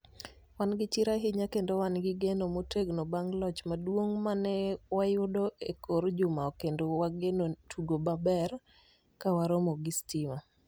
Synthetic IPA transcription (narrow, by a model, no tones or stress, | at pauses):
wanɡɪt͡ʃɪɾaɦɪɲakendowanɡɪɡenomoteɡnobaŋlɔt͡ʃmadwoŋmanɛwajʊdoekoɾd͡ʒʊmaɔkendowaɡenotʰuɡobabɛr | kawaɾomoɡɪstima